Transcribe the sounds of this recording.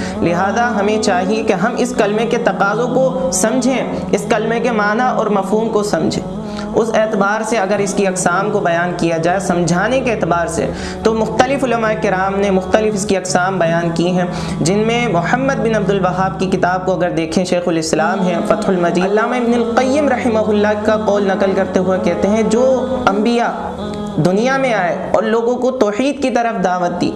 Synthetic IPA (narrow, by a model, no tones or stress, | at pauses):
lɪɦaːzaɦɐmẽt͡ʃaːɦiekeɦɐmɪskɐlmeket̪ɐqaːzõkosɐ̃md͡ʒʱẽ | ɪskɐlmekemaːnaʔɔ̰ːɾmɐfɦuːmkosɐ̃md͡ʒʱḛ̃ː | ʊseːt̪ɪbaːɾseɐɡəɾɪskiɐqsaːmkobɐjaːnkijad͡ʒaːesɐ̃md͡ʒʱaːnekeɛːt̪ɪbaːɾsḛ | t̪omʊxt̪əlɪfʊlɐmaːekɪɾaːmnemʊxt̪əlɪfɪskiɐqsaːmbɐjaːnkiɦɛ̃ | d͡ʒɪnmẽmʊħəmːəd̪̚bɪnɐb̚d̪ʊlwɐɦaːb̚kikɪt̪aːb̚koɐɡəɾd̪eːkʰẽʃeːxʊlɪslaːmɦɛ̃fɐt̪hʊlmɐd͡ʒiːɐlːaːmaɪbnɪlqɐjːɪmɾɐhɪmaɦʊlːakaqɔːlnɐqəlkɐɾt̪eɦuekɛɦt̪eɦɛ̃d͡ʒoːɐ̃mbija | d̪ʊnijamẽaːe | ɔ̰ːɾloːɡõkot̪ɔːħiːd̪kit̪ɐɾəfd̪aːʋət̪ːḭː